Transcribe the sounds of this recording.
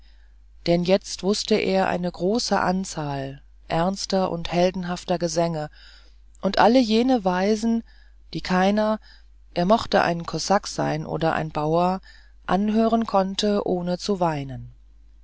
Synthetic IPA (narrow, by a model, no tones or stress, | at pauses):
d̥ɛnjɛt͡stv̥ʊstəʔḛːɐʔa̰ɪnəɡʁoːsə̰ʔa̰nt͡saːl | ʔɛɐnstɐʔʊ̰nthɛldn̩ɦaftɐɡəzɛŋə | ʔʊntʔaləjeːnəvaɪzn̩ | d̥iːkʰaɪnɐ | ʔeːɐmɔχtəʔa̰ɪnkʰɔsakz̥a̰ɪnʔo̰ːdɐʔa̰ɪnbaʊɐ | ʔanɦøːʁ̞ənkʰɔntʰəʔoːnət͡suvaɪnən